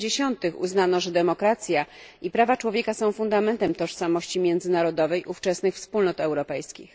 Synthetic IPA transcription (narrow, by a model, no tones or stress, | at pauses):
eɕɔnt̪ɘxṵznanɔʐɛd̪ɛmɔkɾat̪sʲja | ipɾavat͡ʂwɔvʲjɛkasɔ̃w̃fund̪amɛnt̪ɛmt̪ɔʂsamɔɕt͡ɕimʲjɛnd̪zɘnaɾɔd̪ɔvɛjʔuft͡ʂɛsnɘxfspulnɔt̪ɛwɾɔpɛjskʲḭx